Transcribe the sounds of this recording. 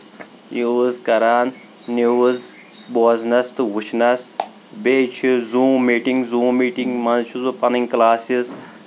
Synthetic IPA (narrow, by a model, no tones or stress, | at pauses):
jiwuzkɐɾaːnː | iwuz | boːznɐst̪ɨwut͡ʃʰnɐs | beːt͡ʃʰizũːmmiːʈiŋɡzũːmmiːʈiŋɡmɐnt͡ʃʰuzɨpɐniŋklaːsiz